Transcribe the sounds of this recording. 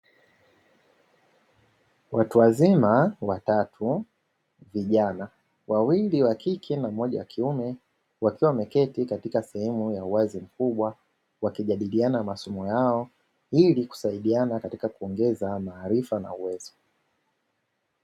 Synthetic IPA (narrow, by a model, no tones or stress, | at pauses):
wʔatuwazimawatatʰu | viʄana | wawiliwakikʰɛnam̩ɔʄa̰wakʰiumɛ | wakiwamɛkɛtikatikasɛhɛmujauwazim̩kuɓwa | wakiʄaɗilianaamasɔmɔjaɔ | iliku̥saiɗianakatikakuɔŋɡɛzamaːɾifana̰uwɛz̥ɔ